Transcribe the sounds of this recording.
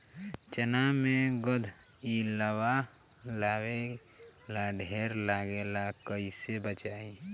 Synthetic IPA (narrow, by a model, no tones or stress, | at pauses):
t͡ʃənamẽɡəd̪ʱ | iləwa | laːwe | laɖʱeɾlaːɡelakəisebət͡ʃaːi